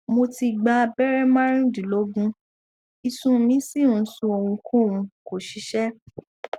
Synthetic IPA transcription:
mo˧ti˧ɡ͡ba˧bɛ˦ɾɛ˦mã˦ɾ̃ĩ˦di˨lo˨˦ɡũ˦ | i˧sũ˦˨mĩ˦si˦˨ũ˨˧˦sũ˧o˧˨wũ˧kʰõ˦˨wũ˧ko˨ʃi˨˦ʃɛ˦

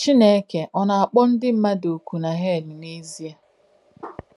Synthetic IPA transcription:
t͡ʃi˦ne˦ke˨ʔɔ˨na˨a˨k͡pɔ˦n̩˦dɪ˦m̩˦ma˦do˨ku˨na˨ɦe˦˨ni˨ne˦zi˦a˨

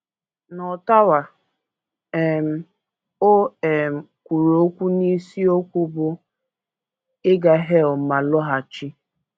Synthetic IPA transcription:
nɔ˨ta˦wa˨ | e˨m̩˨ | o˦e˨m̩˨kʷu˨ɾo˨˦kʷu˦ni˦si˦o˦kʷu˦bʊ˦ | ɪ˦ɡa˨ɦe˦ɔ˨ma˨lɔ˦ɦa˨t͡ʃi˦

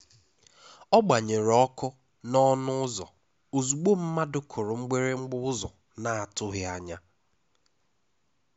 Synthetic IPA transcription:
ɔ˦ɡ͡ba˨ɲe˨ɾɔ˦kʊ˦ | nɔ˦nʊ˦ʊ˦zɔ̰˨ | o˨zu˨ɡ͡bo˦m̩˦ma˦dʊ˦kʰʊ˨ɾʊ˨ŋ͡m̩˦ɡ͡be˦ɾe˦ŋ͡m̩˦ɡ͡bʊ˦ʊ˦zɔ̰˨ | na˨a˨tʊ˦ɦɪ˦a˨ɲa˦

